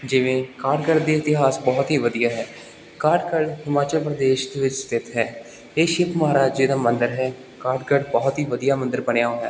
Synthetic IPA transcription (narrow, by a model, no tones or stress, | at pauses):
d͡ʒɪʋẽːkaːɖkəɾɖd̪iːɪt̪ɪɦaːsbɔːt̪ɦiːʋəd̪ijaːɦɛː | kaːɾɖkəɾɖhɪmaːt͡ʃəlpɾəd̪eːʃd̪eːʋɪt͡ʃst̪ɪt̪ɦɛː | eːʃɪpməɦaːɾaːd͡ʒd͡ʒeːd̪aːmənd̪əɾɦɛː | kaːɾɖkəɖbɔːt̪ɦiːʋəd̪ijaːmənd̪əɾbəɳejaːoːɛ̰ː